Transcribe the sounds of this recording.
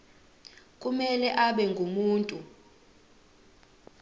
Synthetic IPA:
kʼumɛlɛʔaɓɛŋɡʱumuːntʼu

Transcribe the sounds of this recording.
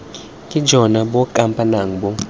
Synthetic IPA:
kʼi̥d͡ʒʱɔnaɓɔkʼampʼanaŋ̩ɓɔ

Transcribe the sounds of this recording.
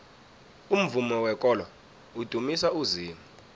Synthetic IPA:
um̩vumɔwɛk̬ʼɔla | ud̥ʱumisauziːmuu

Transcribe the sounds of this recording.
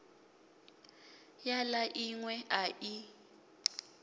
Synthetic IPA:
jalaʔiŋwɛʔaʔi

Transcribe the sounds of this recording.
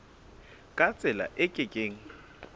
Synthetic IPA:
kʼat͡sʼɪla̰ʔɪkʼɪkʼeːŋ̩

